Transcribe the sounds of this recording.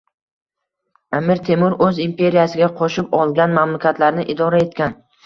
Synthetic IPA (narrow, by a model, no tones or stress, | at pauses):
amɪɾt̪ʰemʊɾɵzimpʰe̞ɾijasɪɡʲaqʰɒʃɪpɒlˠɡʲanmamlakʲʰat̪laɾnɪʔɪd̪ɒɾae̞t̪̚kʲan